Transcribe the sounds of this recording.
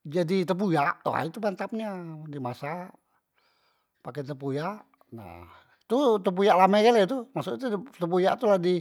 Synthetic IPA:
d͡ʒadit̪əp̬ujaʔt̪o̰a̰it̪upant̪ap̚nadimasa | pakɛt̪əpujaʔ | na̰h | t̪ut̪əp̬ujaʔlamakalɛt̪umaʔsut̪ut̪əpujaʔt̪uladi

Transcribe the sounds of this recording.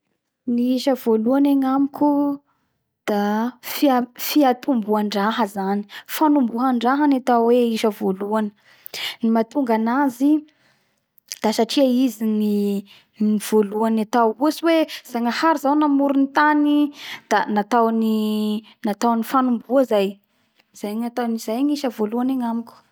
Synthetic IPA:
niiʃəvoluaneŋamikʲu | d̪̥afifiat̪umbuaɳɖ͡ʐaɦəzani̥fanumbuɦaɳɖ͡ʐaɦanat̪awweiʃəvoluanə | nimat̪uŋɡanazi | d̪̥asaʈ͡ʂiaizini | niv̥oluanat̪awusiwez̥aŋahaɾizawnamuɾunit̪anid̪̥anat̪awni | nat̪awnifanumbuəzaj | z̥ajŋat̪aniz̥ajɲiʃəvoluaneŋamikʲ

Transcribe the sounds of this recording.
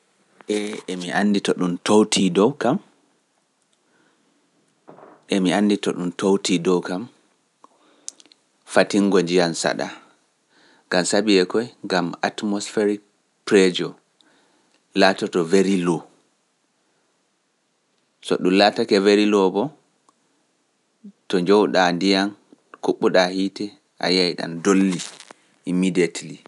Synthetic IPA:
ʔɛɛmiʔanditɔɗumtowtʰidɔwkam | ʔɛmianːditɔɗumtowtidɔwkam | fatiŋɡoɲd͡ʒijansa̰ɗa̰ | ŋɡamsabiɛkɔjŋɡama̰tmɔsfeɾik | pɾɛd͡ʒɔ | latɔtɔveɾilɔ | sɔ̰ɗumlatakɛveɾilɔbɔ | tɔɲd͡ʒɔwɗandijankuɓːuɗahitɛ | ʔa̰jajɗa̰ndolːi | imidetli

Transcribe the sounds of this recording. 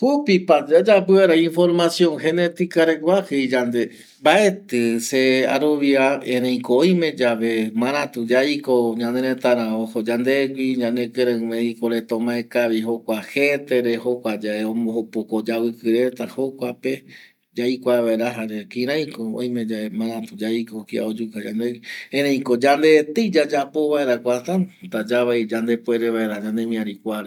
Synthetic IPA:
hupipad͡ʒad͡ʒapɨaɾaĩnfoɾmasjõ̞ŋhenet̪ikaɾeɡʷwahɨid͡ʒand̪e | mbae̞t̪ɨsea̰ɾoβiaẽɾẽj̃koojmẽd͡ʒaʋemãɾ̃ãt̪ud͡ʒaikoɲãneɾẽt̪aɾãohod͡ʒand̪eɡʷiɲãnẽkɨɾãmẽikoɾet̪õmãekaβiɦokʷahet̪eɾehokʷad͡ʒaeõmõhopokod͡ʒaβɨkɨɾet̪ahokʷape | d͡ʒaikʷaβaeɾaɦaɾekĩɾãj̃koõ̰j̃mẽ̞d͡ʒaemãɾãt̪ud͡ʒaikokia̰od͡ʒukad͡ʒa̰nd̪ekiẽɾẽĩkod͡ʒand̪et̪ɨd͡ʒad͡ʒapo̞βaeɾakʷat̪ãnt̪ad͡ʒaβaid͡ʒand̪epweɾeβaeɾad͡ʒãnd̪emĩãɾikʷaɾe

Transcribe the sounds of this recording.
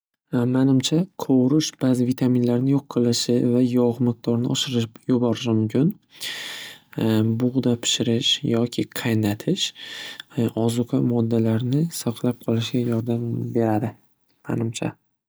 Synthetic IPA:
manɪmt͡ʃʰaqʰowɾɪʃb̥azɪvit̪ʰaminlaɾnɪjoqʰːɨlˠɪʃɪvajɒʁmɪq̚d̪ɒɾnɪʔɒʃɪɾɪjʊbɒɾɪʃmʊmkʲʰʊn | bʊʁd̪apʰɪ̥ʃɪɾɪʃjɒkʲʰɪqʰajnat̪ʰɪʃ | ɒzʊqʰɑmɒd̪ːalaɾnɪsɒqʰlˠap̚qʰɒlˠɪʃɡʲajɒɾd̪ambe̞ɾad̪ɪ | ma̰nɪmt͡ʃʰa̰

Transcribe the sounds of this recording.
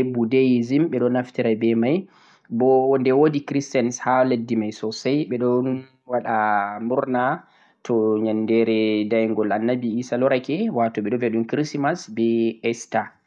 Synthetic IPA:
ebudejzimɓɛɗɔnːaftiɾabɛmaj | bɔndɛwodikɾistɛnshaledːimajsɔsajɓɛɗɔn | waɗamuɾna | tʰɔɲandɛɾɛdajŋɡɔlanːabiisalɔɾakɛwatɔɓɛɗɔvɛɗumkɾismasbɛɛsta

